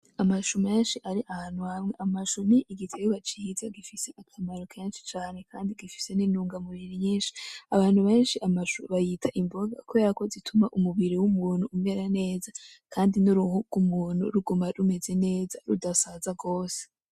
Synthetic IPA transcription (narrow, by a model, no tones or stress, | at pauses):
amaʃumijeːnʃiʔaɾiʔahaːnuhamŋe̞ʔamaʃumiʔːɡitʰeɡuβat͡ʃiːzaɡifise̞ʔakʰamaɾokʰeːnʃi̥t͡ʃaːne̞kʰaːndiɡifi̥se̞ninuːŋɡamuβiɾiɲiːnʃi̥aβaːn̥huβe̞ːnʃiʔamaʃuβajitʰaʔimbo̞ɡa̰kojaako̞zitʰumaʔumuβiɾiwumuːn̥huːmŋe̞ɾane̞ːzakʰaːndinuɾuhuɡ̥umuːn̤ṵɾuɡumaɾume̞ze̞ne̞ːzaɾudasazaɡo̞ːse̥